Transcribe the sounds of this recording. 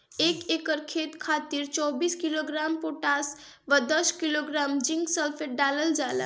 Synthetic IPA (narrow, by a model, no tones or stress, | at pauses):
ekekəɾkʰet̪kʰat̪iɾt͡ʃɔbiskiloɡɾampoʈas | ʋad̪əskiloɡɾamd͡ʒiŋɡsəlpʰeʈɖaləld͡ʒala̰